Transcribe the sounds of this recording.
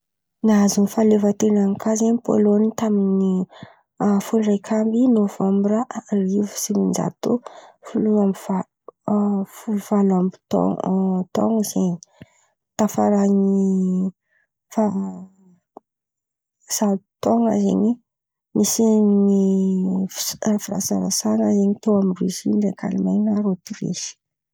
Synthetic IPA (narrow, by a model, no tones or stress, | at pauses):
nazunfalevat̪enankʰazenipo̰lonit̪amini | afulrajkʰambinovambɾaʔalivu̥simind͡ʒa̰t̪ufuluambiva | fuvalambi̥t̪o̰ŋt̪o̰ŋiz̥eɲi̥ | t̪afaɾani | fa | salut̪oŋa̰zḛɲi | misini | rafiɾa̰saɾasanəzeɲit̪owamirizinɖ͡ʐekʰa̰limajnaɾot̪iɾḛʃi̥